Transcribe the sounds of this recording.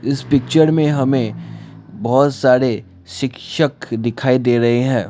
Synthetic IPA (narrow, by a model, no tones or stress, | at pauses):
ɪspɪk̚t͡ʃəɾmẽɦɐmẽ | bɐɦt̪saːɾe | ʃɪkʃəkd̪ɪkʰaːid̪eːɾɐɦeɦɛ̃ː